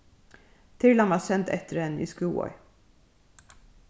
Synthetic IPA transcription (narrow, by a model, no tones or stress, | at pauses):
t̪ʰɪɹlanʋɑːsɛnt̪ʰɛt̪ːəɾɛnːḭskuːɔ̰